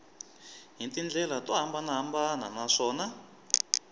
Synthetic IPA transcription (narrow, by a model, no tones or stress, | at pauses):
ɦintind͡ɮɛlatwaɦambanaɦambana̰naʂɔːna